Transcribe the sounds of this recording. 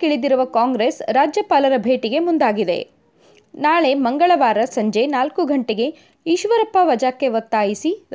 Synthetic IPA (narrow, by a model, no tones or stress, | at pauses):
kiɭid̪iɾuʋɐkaːŋɡɾeːsɾaːd͡ʒjɐpaːlɐɾɐbʱe̞ːʈiɡe̞mund̪aːɡid̪e̞̰ | naːɭe̞mɐŋɡɐɭɐʋaːɾɐsɐɲd͡ʒenaːlkuɡʱɐɳʈeɡe̞ | iʃʋɐɾɐpːaʋɐd͡ʒaːkːe̞ʋɐt̪ːaːjisi